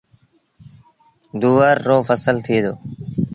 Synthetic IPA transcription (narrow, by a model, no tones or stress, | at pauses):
d̪uːʋəɾːoːfəsəlt̪ʰiːd̪oː